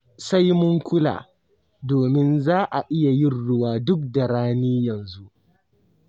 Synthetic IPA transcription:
sa˦jmʊ˦ŋkʷʊ˦la̰ː˨ | doː˨mɪ˦nzaː˦ʔa˨ʔɪ˦ja˨jɪ˦˨nɽʊ˦waː˦dʊ˦k̚da˨ɽaː˦niː˦jɐ˨nzu˦ʔ

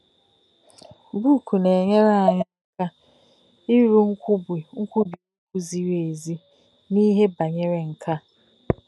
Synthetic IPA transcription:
bu˦˨kʰu˨ne˨ɲe˦ɾa˨ɲa˦ŋ̩˦ka˦ | i˦ɾu˦ŋ̩˦kʷu˦bi˨ŋ̩˦kʷu˦bi˨˦ku˦zi˦ɾe˨e˨zi˦ | ni˦ɦe˦ba˨ɲe˦ɾe˨ŋ̩˨kʰa˦

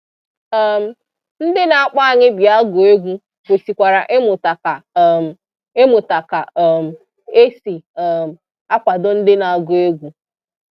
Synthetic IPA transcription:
ɛ˨m̩˨ | n̩˦dɪ˦na˨a˨k͡pa˦a˨ɲɪ˦bja˦a˦ɡʊ˨e˦ɡʷu˦ | kʷo˨si˨kʷa˨ɾa˨ʔe˦mʊ˨ta˨ka˨ | e˦mʊ˨ta˨ka˨m̩˨ | e˦si˨ɛ˨m̩˨ | a˦kʷa˨dʊ˦n̩˦dɪ˦na˨a˨ɡʊ˨e˦ɡʷu˨

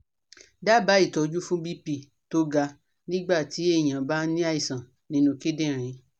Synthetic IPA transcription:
da˦˨ba˨˦i˦˨tɔ˧d͡ʒu˦fũ˦bi˦pi˦˨ | to˨˦ɡa˧ | nĩ˦ɡ͡ba˦˨ti˨˦e˦˨j̃ã˨ba˦nĩ˦a˦i˨sã˨ | nĩ˨˦nũ˧ke˦dẽ˦˨ɾ̃ĩ˨˧˦

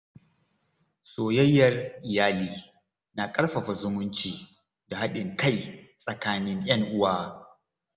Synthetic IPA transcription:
soː˨jɐ˦jːɐ˨rʔɪ˨jaː˦liː˦ | na˨kʼɐ˦rɸɐ˨ɸa˨zʊ˦mʊ˦nt͡ʃiː˨ | da˨ha˦ɗɪ˨ŋka˦jsʼɐ˨kaː˦nɪ˦ŋj̰ɐ˦ŋʔʊ˦waː˦

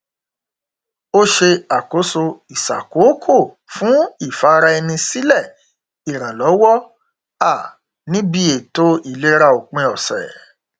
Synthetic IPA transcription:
o˦ʃe˧a˨ko˨˦so˧i˨sa̰˨ko˨˦kʰo˦˨ | fũ˨˦i˦˨fa˨˦ɾa˧ɛ˧nĩ˧si˦lɛ˦˨ | i˨ɾ̃ã˨lɔ˨˦wɔ˦ | a˦˨ | nĩ˦bi˦e˨to˦i˨le˨˦ɾa˧o˨k͡pẽ˧ɔ˨sɛ̰˨

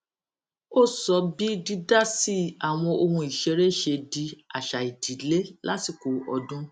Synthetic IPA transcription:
o˦˨sɔ˨˧bi˦di˦da˦si˦a˨w̃ɔ̃˧o˧hũ˧i˨ʃe˨˧ɾe˦˨ʃe˧di˧a˨ʃa˨i˨di˨le˦la̰˦ti˨ko˨ɔ˧dũ˦

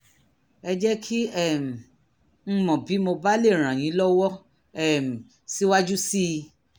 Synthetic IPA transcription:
ɛ˧d͡ʒɛ˦kʰi˦ɛ˦˨m̩˨ | n̩˦mɔ̃˨bi˨˦mo˧ba˦le˦˨ɾ̃ã˨j̃ĩ˨˦lɔ˦wɔ˦ | ɛ˦˨m̩˨ | si˦wa˦d͡ʒu˦si˦˧

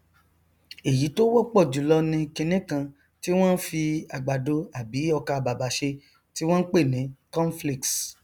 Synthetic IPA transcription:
e˨ji˨˦to˦wɔ˦k͡pɔ˦˨d͡ʒu˨˦lɔ˧nĩ˧kĩ˧nẽ˦kã˧ | ti˦w̃ɔ̃˦n̩˦fi˧a˨ɡ͡ba˨do˧˦a˨bi˨˦ɔ˧ka˧˨ba˨ba˨˦ʃe˧ | ti˦w̃ɔ̃˦k͡pe˦˨nĩ˨˦kɔ̃˦n˦fli˦˨ks

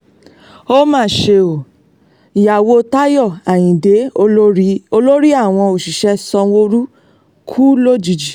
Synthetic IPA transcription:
o˦mãː˦˨ʃe˧o˨ | i˨ja˨wo˧ta˦jɔ˦˨a˨j̃ĩ˨de˨˦o˧o˦ɾi˦o˧lo˦ɾi˦a˦˨w̃ɔ̃˧o˨ʃi˨ʃɛ˧˦sɔ˧wo˧ɾu˦ | kʰu˦lo˦˨d͡ʒi˨˧d͡ʒi˨

